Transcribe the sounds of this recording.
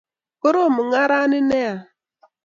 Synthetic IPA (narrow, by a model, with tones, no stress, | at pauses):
kʊ˦ɾo˦˨mʊ˨ŋa˦ɾa˦nɪ˦ne˦a˨